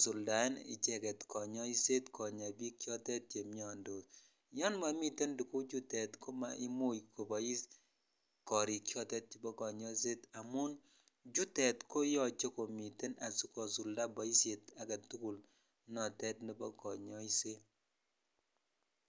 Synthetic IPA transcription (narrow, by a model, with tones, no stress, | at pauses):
su˨lda˨˦nɪ̰˨t͡ʃɛ˦˨kɛ˨tkʰɔ˨ɲɔ˦i˦se˦tkʰɔ˨ɲa˨bi˦kjɔ˦tɛ˦t̚t͡ʃe˨mi˨ɔ˨ndo˨ | jɔ˦nma˨mi˦te˦ndu˨ku˦d͡ʒu˦tɛ˨tko˦ma̰˨i˦mo˦jko˨bɔ˨i˦s | kɔ˨ɾi˨kjɔ˦tɛ˦t̚t͡ʃe˨bɔ˦kɔ˨ɲɔ˦i˦s̬e˦ta˨mʊ˦n | d͡ʒu˦tɛ˨tko˦jɔ˨t͡ʃe˦ko˨mi˨te˦na˨su˦kɔ˨su˨lda˦bɔ˨i˦sje˨ta˨ka˨tu˦ku˦˨l | nɔ˨tɛ˦tni˦bɔ˦kɔ˨ɲɔ˦i˦se˦